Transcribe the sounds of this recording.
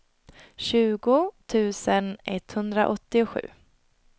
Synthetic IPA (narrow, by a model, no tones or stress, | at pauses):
ɕʉ̟ːɡʊt̪ʰʉ̟ːsənɛt̪ːhɵnd̪ɾa̰ʔɔt̪ːɪʊɧʉ̟̰ː